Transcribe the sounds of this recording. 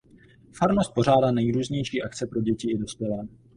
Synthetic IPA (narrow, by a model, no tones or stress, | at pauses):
faɾmost̪̚po̞ʒ̝aːdaːnɛjɾuːzɲɛjʃiːʔakt͡sɛpɾo̞ɟɛcɪɪdo̞spʲjɛlɛː